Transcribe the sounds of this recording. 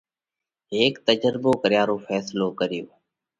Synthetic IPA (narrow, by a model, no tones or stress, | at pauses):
ɦeːkt̪əd͡ʒəɾboːkəɾɪjaːɾoːfʰɛːsloːkəɾɪjoː